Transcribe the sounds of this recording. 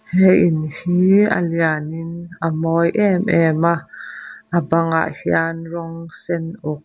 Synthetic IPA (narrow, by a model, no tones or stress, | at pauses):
hɛjɪnhiːə̰lianɪnʔəmɔjʔɛmʔɛmaʔʔəbaŋa̰ʔhianrɔŋsɛnʔʊk̚